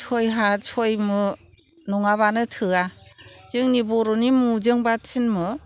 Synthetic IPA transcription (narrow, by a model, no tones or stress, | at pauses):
t͡ʃʰojɦat͡ʃʰojmɯ | nɔŋaβanɯtʰɯa | t͡ʃɯŋnibɔɾɔnimud͡ʒɯŋbat͡ʃʰinmɯ